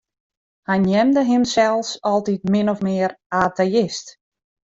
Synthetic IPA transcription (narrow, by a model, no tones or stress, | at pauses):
hɛjnjɛmdəɦɪmsɛlˠsɔlˠtit̚mɪnɔfmɪːəraːteɪst